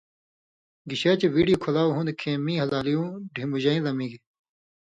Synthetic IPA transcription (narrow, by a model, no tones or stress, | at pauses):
ɡiɕeːt͡ɕeʋiːɖikʰolaːuɦũnd̪kʰẽːmĩːɦɐlaːlijũːɖʱĩmbuʑɐːĩzɐmĩːɡi